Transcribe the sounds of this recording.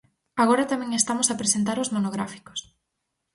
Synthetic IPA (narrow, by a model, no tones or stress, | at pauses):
aɣoɾɐt̪amɛ̃ŋest̪amosapɾesent̪aɾozmonoɣɾafi̥ko̥s